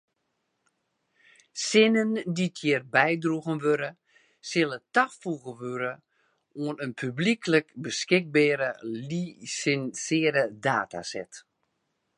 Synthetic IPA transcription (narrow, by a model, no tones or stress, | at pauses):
sɪnənditʰjɪːərbɛjdruɣənʋøɾə | sɪlˠətaxfuɣəʋøɾə | oənənpʰyblikʰləkbəskɪk̚bɛːɾəlisɛnsɪəɾədaːta̰sɛt